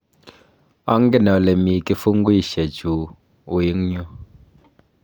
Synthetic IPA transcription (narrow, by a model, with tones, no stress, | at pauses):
a˦ŋ̩˦ɡɛ˦˨na˨lɛ˨mi˨ki˦fu˦ŋ̩˦ɡi˦˨ʃɛ˨d͡ʒu˨ | u˨ji˦ŋɲu˦